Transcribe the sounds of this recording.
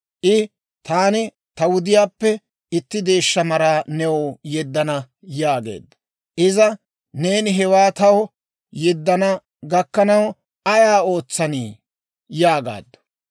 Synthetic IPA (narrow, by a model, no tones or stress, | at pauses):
ʔɪ | t̪aːnɪ | t̪ɐwʊd̪ɪjaːpːɛ | ɪt̪ːɪd̪e̞ːʃːɐmɐɾaːnɛwɔjɛd̪ːɐnɐ | jaːɡḛːd̪ːɐ̥ | ʔɪzɐ | ne̞ːnɪɦɛwaːt̪ɐwɔ | jɛd̪ːɐnɐ | ɡɐkːɐnɐw | ɐjaːo̞ːt͡sːɐniː | jaːɡa̰ːd̪ːɐ̥